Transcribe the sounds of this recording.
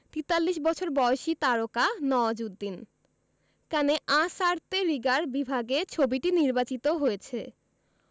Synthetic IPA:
t̪it̪alːiʃbɔt͡ɕʰoɾbɔoʃit̪aɾokanɔd͡ʑud̪ːin | kaneʔãsaɾt̪eɾiɡaɾbibʱaɡet͡ɕʰobiʈiniɾbat͡ɕit̪oɦojet͡ɕʰe

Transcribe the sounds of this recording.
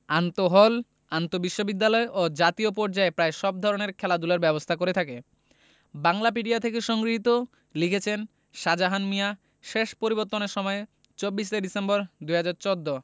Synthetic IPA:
ant̪oɦɔl | ant̪obiʃːobid̪ːalɔeʔod͡ʑat̪iopɔɾd͡ʑaepɾaeʃɔb̚d̪ʱɔɾoneɾkʰɛlad̪ulaɾbɛbost̪ʰakoɾet̪ʰake | baŋlap̬iɖiat̪ʰekeʃɔŋɡɾiɦit̪o | likʰet͡ɕʰen | ʃad͡ʑaɦanmija | ʃeʃpoɾiboɾt̪ːoneɾʃɔmɔe | t͡ɕobːiʃeɖisembɔɾd̪ujɦad͡ʑaɾt͡ɕod̪ːo

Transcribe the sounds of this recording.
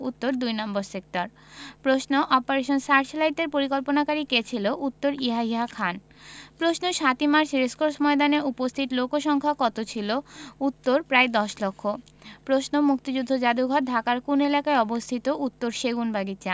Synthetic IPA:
ut̪ːoɾd̪ujnamboɾsek̚ʈaɾ | pɾosnoʔɔpoɾeʃonsaɾʃlajʈeɾpoɾikolponakaɾiket͡ɕʰiloʔut̪ːoɾiɦaɦiɦakʰan | pɾosnoʃat̪imaɾʃɾeskoɾsmɔed̪aneɾupost̪ʰit̪lokoʃɔŋkʰakɔt̪ot͡ɕʰilout̪ːoɾpɾaed̪ɔʃlokʰːo | pɾosnomuk̚t̪id͡ʑud̪ʱːod͡ʑad̪uɡʱɔt̚d̪ʱakaɾkunelakaeɔbost̪ʰit̪oʔut̪ːoɾʃeɡunbaɡit͡ɕa

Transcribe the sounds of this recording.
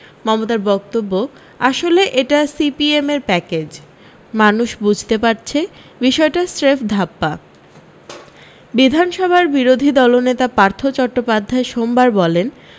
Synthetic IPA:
mɔmot̪aɾbɔk̚t̪obːo | aʃoleʔeʈasipiemeɾpɛked͡ʑ | manuʃbud͡ʑʱt̪epaɾt͡ɕʰe | biʃɔeʈasɾefʰd̪ʱapːa | bid̪ʱanʃɔbʱaɾbiɾod̪ʱid̪ɔlonet̪apaɾt̪ʰot͡ɕɔʈːopad̪ʱːaeʃombaɾbɔlen

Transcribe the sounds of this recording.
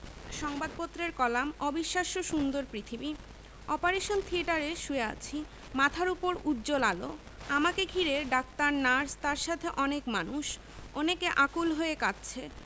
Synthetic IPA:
ʃɔŋbad̪̚pot̪ːɾeɾkɔlamɔbiʃːaʃoʃund̪oɾpɾit̪ʰibi | ɔpaɾeʃont̪ʰieʈaɾeʃuea̰t͡ɕʰi | mat̪ʰaɾupoɾud̪d͡ʑolalo̰ | amakeɡʱiɾeɖak̚t̪aɾnaɾst̪aɾʃat̪ʰeʔɔnekmanuʃ | ɔnekeʔakulɦoekatːɕʰe

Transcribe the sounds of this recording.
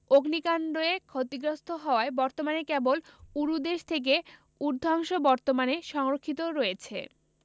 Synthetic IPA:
oɡnikanɖoekʰot̪iɡɾost̪ʰoɦɔoaebɔɾt̪omanekeboluɾud̪eʃt̪ʰek̬e | uɾd̪ʱaŋʃobɔɾt̪omaneʃɔŋɾokʰːit̪̬oɾoet͡ɕʰe

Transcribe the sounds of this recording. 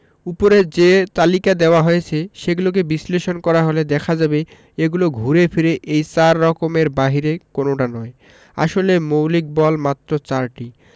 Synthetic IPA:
upoɾed͡ʑet̪alikad̪eoaɦojet͡ɕʰeʃeɡulok̬ebisleʃonkɔɾaɦoled̪ɛkʰad͡ʑabe | eɡuloɡʱuɾefʰiɾeʔejsaɾːɔkomeɾbaɦiɾekonoʈanɔe | a̰ʃolemowlik̚bɔlmat̪ːɾot͡ɕaɾʈi

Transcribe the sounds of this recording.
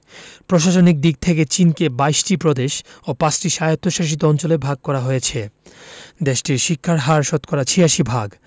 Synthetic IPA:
pɾoʃaʃonik̚d̪ik̚t̪ʰeket͡ɕinkebajʃʈipɾod̪eʃopãt͡ɕʈiʃajot̪ːoʃaʃ̬it̪̬oɔnt͡ɕolebʱaɡ̚kɔɾaɦojet͡ɕʰe | d̪eʃʈiɾʃikʰːaɾɦaɾʃot̪kɔɾat͡ɕʰiaʃibʱaɡ

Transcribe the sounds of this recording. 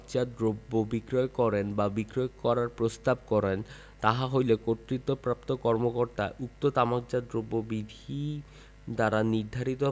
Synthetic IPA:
kd͡ʑad̪ɾobːobikɾoekɔɾenbabikɾɔjkɔɾaɾpɾost̪ab̚kɔɾen | t̪aɦaɦojlekot̪ɾit̪ːopɾap̚t̪okɔɾmokoɾt̪aʔuk̚t̪ot̪amak̚d͡ʑad̪ɾobːobid̪ʱi | d̪aɾaniɾd̪ʱaɾit̪o

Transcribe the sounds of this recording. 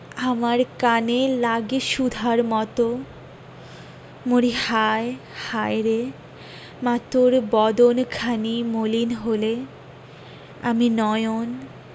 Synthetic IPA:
amaɾkanelaɡeʃud̪ʱaɾmɔt̪o | moɾihaehajɾe | mat̪oɾbɔd̪onkʰanimolinɦole | a̰minɔjon

